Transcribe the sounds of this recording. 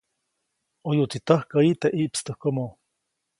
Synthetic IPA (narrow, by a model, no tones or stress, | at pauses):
ojoʔt͡s̪it̪ahkait̪eʔiʔpst̪əhkomo